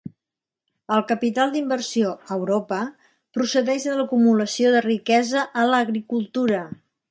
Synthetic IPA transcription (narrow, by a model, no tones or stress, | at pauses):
əlˠkəpit̪alˠd̪imbərsioəwɾopə | pɾusəðɛʒðələkumuləsioðərikɛzəʔələɣɾikulˠt̪uɾə